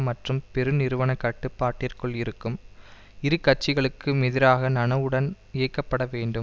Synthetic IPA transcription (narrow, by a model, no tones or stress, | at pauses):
mɐʈrɯmpɛɾɯnɪɾɯʋɐnɐkːɐʈːɯpːaːʈːɪrkɯɭɪɾɯkːɯm | ɪɾɯkːɐʈ̚t͡ʃːɪɣɐɭɯkːɯmɛðɪɾaːɣɐnɐnɐʋɯɽɐn | ɪjɐkːɐpːɐɽɐʋeːɳɖɯm